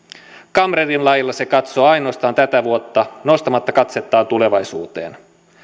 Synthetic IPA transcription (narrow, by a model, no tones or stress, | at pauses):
kɑmrerinlɑjilːɑsekɑt̪so̞ːɑjno̞ːst̪ɑːnt̪æt̪æʋuot̪ːɑno̞st̪ɑmɑt̪ːɑkɑt̪se̞t̪ːɑːnt̪ule̞ʋɑjsṵːt̪ḛːn